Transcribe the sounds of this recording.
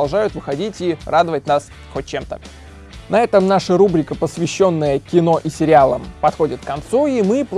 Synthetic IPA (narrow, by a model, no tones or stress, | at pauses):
ɐlˠʐajʊt̪vɨxɐdʲitʲirad̪əvətʲnas | xot̚ʲt͡ɕe̞mt̪ə̰ | nɐɛt̪əmnaʂəɾubɾʲɪkəpəsvʲɪɕːo̞nːəjəkʲɪno̞ʔisʲɪɾʲɪalˠəmpɐt̪xo̞dʲɪt̪̚kːɐnt̪suimɨplˠ